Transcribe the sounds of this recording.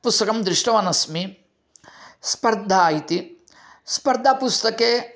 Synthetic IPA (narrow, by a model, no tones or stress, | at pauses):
pust̪ɐkɐmd̪ɾiʂʈɐʋɐnɐsmi | spɐɾd̪ʱaːjit̪i | spɐɾd̪ʱapust̪ɐkeː